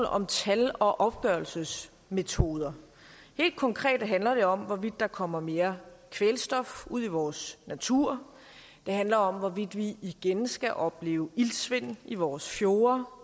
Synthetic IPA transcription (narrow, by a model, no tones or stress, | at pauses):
l̩ʔɒ̽mt͡sʰælɒ̽ʔɒ̽b̥ɡ̥ɶɐl̩səs | me̝t͡sʰo̝ːð̞ˠɐ | he̝̰ːld̥̚kʰɒ̽ŋkʰʁɛ̰ːd̥ɦænlɐɾ̥e̝ɒ̽mʋɒʋid̥ːɑ̈kʰɒ̽m̰ɐme̝ːɐkʰʋelsd̥ɒ̽fuð̞̰ˠiʋɒːsnæt͡sʰuɐ̰ | d̥e̝ɦænlɐɒ̽mʋɒʋid̥ʋiiɡ̥ensɡ̥æʔɒ̽b̥le̝̰ːʊilsʋe̝n̰iʋɒːsfjo̝ːɐ